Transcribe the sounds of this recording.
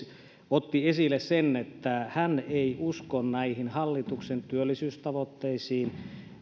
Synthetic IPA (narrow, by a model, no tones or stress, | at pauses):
ot̪ːiesilːˑessenːet̪ːæhæneiuskonnæihinhɑlːit̪uksent̪yølːisyːst̪ɑʋot̪ːeisiːn